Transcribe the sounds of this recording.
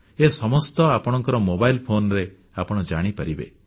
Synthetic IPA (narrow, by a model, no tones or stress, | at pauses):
esɔmɔst̪ɔapɔɽ̃ɔŋkɔɾɔmobailpʰonɾe | apɔɽ̃ɔd͡ʒaɽ̃ipaɾibḛ